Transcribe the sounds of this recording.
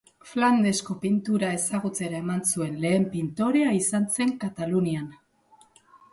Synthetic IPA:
fland̪e̞sko̞pint̪uɾae̞saɣ̞ut͡se̞ɾae̞mansue̞nle̞ːmpint̪o̞ɾe̞aisanse̞ŋkat̪alunian

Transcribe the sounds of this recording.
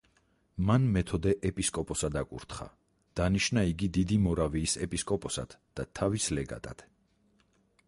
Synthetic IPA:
manmɛt̪ʰɔd̪ɛʔɛpʼiskʼɔpʼɔsad̪akʼṵɾt̪ʰχa̰ | d̪̥aniʃnaiɡid̪id̪imɔɾaviːsɛpʼiskʼɔpʼɔsa̰d̪̥d̪̥at̪ʰavislɛɡa̰t̪ʼa̰t̪

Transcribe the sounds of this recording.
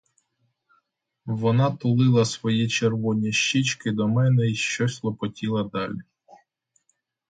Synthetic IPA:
ʋɔnɑt̪ʊlˠɪlˠɐsʋɔjit͡ʃerʋɔnʲiʃt͡ʃit͡ʃkɪd̪ɔmɛnɛiʃt͡ʃɔsʲlˠɔpɔtʲilˠɐd̪ɑlʲi

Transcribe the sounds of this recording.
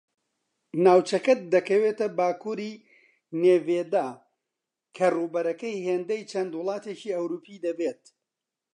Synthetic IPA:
naːwt͡ʃɐkɐd̪ɐkɐweːt̪ɐbaːkuːɾi | neːveːd̪aː | kʰɐruːbɐɾɐkɐjheːnd̪ɐjt͡ʃʰɐnd̪wʊlˠɑːt̪eːt͡ʃiːɐwɾuːpʰiːd̪ɐbeːt̪̚

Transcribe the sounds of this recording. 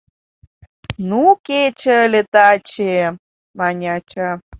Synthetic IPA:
nuket͡ɕəlʲet̪at͡ɕe | mɑnʲat͡ɕa

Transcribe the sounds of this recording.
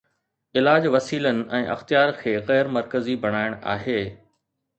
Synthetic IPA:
ɪlaːd͡ʑʋɐsiːlənɪ̆ʔɛ̃ːʔɐ̰xt̪ijaːɾkʰeːɣɛːɾmɐɾkəzibʱɐɽ̃aːɪɽ̃a̰ːɦeː

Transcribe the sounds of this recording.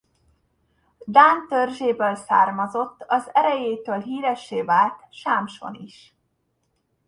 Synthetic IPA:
d̪aːnt̪ørʒeːbøːlsa̰ːrmɒzo̞t̪ːɒzɛɾɛjeːt̪øːlɦiːɾɛʃːeːvaːlt̪ʃaːmʃo̰niʃ

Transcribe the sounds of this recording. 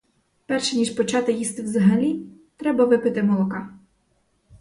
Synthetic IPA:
pɛrʃɛnʲiʃpɔt͡ʃɑt̪ɪjist̪ɪwzɐɦɐlʲi | t̪ɾɛbɐʋɪpɪt̪ɪmɔlˠɔkɑ

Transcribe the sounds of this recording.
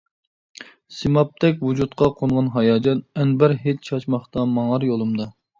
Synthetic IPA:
simɑp̚t̪ʰɛk̬ʲwud͡ʒut̪qʰɑqʰonʁɑnɦɑjɑːd͡ʒɑnɛnbæɾɦet͡ʃt͡ʃʰɑʃmɑχt̪ɑmɑŋɑɾjolˠumd̪ɑ

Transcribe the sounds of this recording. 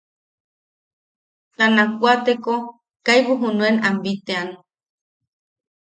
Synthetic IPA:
t̪anakʷat̪eko | kajβuɦunuenambit̪ean

